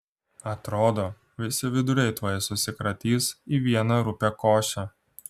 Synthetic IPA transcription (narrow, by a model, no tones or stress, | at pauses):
ɐt̪ɾoːd̪oː | ʋʲɪsʲɪʋʲɪd̪ʊɾʲɛɪt̪ʋɔjɛsʊsʲɪkɾɐt̪ʲiːsiʋʲiɛnɐɾʊpʲɛkoːʃʲɛ